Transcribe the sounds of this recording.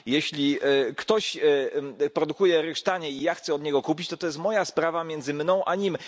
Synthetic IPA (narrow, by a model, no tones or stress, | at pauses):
jɛɕlʲikt̪ɔɕ | pɾɔd̪ukujɛɾɘʂt̪aɲɛijaxt̪sɛɔd̪ɲɛɡɔkupʲit͡ɕt̪ɔt̪ɔjɛst̪mɔjaspɾavamʲjɛnd̪zɘmnɔ̃w̃ʔaɲim